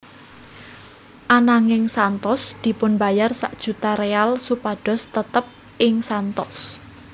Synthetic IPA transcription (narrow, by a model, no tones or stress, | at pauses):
ʔanaŋɪŋsant̪ɔsd̪̥i̤pʊnba̤jarsa̰ʔd̥ʒ̥ṳt̪aɾealsupaɖ̥ɔ̤st̪ət̪əp̚ | ʔɪŋsant̪ɔs